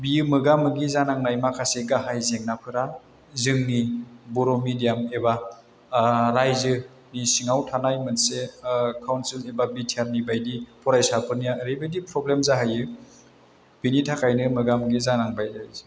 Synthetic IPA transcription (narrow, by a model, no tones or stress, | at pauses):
biɯmɯɡamɯɡizanaŋnajmakʰaseɡaɦajzeŋnapʰɯɾa | zɯŋnibɔɾomidijameba | ɾajzɯ | nisiŋawtʰanajmɯnsekʰawnsilebabitʰiaɾnibajdipʰɔɾajsapʰɯnijaɾibajdipʰɾɔblemzaɦajɯ | b̥initʰakʰajnɯmɯɡamɯɡizanaŋbajzazi